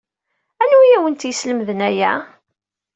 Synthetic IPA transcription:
ænujæwənt̪jəsləmðənæjæ̰

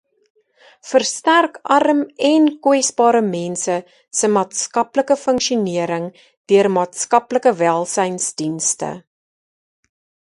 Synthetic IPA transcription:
fərstærkʔɐrəmɛnkwɛsbɑːɾəmɛnsə | səmɑːtskɐpləkəfəŋkʃiuniəɾəŋ | d̥yərmɑːtskɐpləkəvælˠsɛjnsdinstə̰

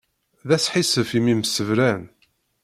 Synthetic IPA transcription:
ðæsħisəfimiməsəvɾæn

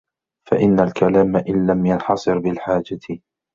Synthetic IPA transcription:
faʔɪnːalkalaːmaʔɪnlamjɑnħɑsˤɨɾbɪlħaːd͡ʒa

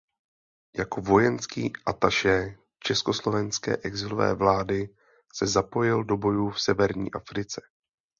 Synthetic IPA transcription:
jako̞vo̞jɛnskiːʔat̪aʃɛː | t͡ʃɛsko̞slo̞vɛnskɛ̰ːʔɛɡzɪlovɛ̰ːvlaːdɪ | sɛzapo̞jɪldo̞bo̞juːfsɛvɛɾɲḭːʔafɾɪt͡sɛ̥

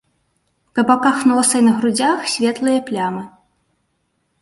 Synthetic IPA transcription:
kɐbakaxnɔsɐjnɐɣɾud͡zʲaxsʲvʲɛt̪lˠɨjɐplʲamɨ

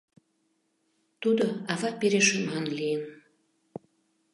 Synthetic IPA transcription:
t̪ud̪oɑvɑpeɾeʃemɑnlijən

